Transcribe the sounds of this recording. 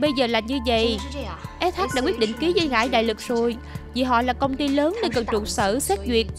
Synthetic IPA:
ə˧jzəː˨˩laː˨˩ɲɨ˧və̰˧˨jʔɛ˦˥t̪ʰaː˦˥k̚ɗaː˧˥kwi˦˥t̚ɗḭ̈˧˨ŋ̟ki˨˦zə˧jɣa̰ː˧˩jɗa̰ː˧˨jlɨ˨˩k̚zo˨˩j | vi˨˩ɦɔ̰˧˨laː˨˩kə˧wŋ͡mt̪i˧ləː˨˦nːe˧nkə˨˩nt͡ɕʊ̰˧˨˩nsəː˧˩sɛ˦˥t̚zwi˨˩ət̚

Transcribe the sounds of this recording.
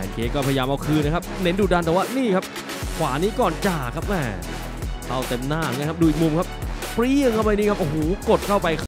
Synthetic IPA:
pʰɛ̰˨˦nkʰeː˧˩kɔː˥˩a˧jjaː˧mʔa˧wkʰɯː˧na˦˥kʰa˦˥p̚ne˦˥nduː˧˩da˧nt̪ɛː˨˩waː˥˩niː˥˩kʰa˦˥p̚ | kʰwaː˩˦niː˦˥kɔː˨˩nt͡ɕaː˨˩kʰa˦˥p̚mɛː˧˩ | t̪a˧˩wt̪e˧mnaː˥˩˨ŋa˧kʰp̚duː˧ʔi˨˩k̚mu˧mkʰa˦˥p̚ | pɾi˧˥˩əŋkʰa˥˩wpa˧jniː˥˩kʰa˦p̚ʔo˧˩ɦoː˨˩˦ko˨˩t̪̚kʰa˥˩wpa˧j

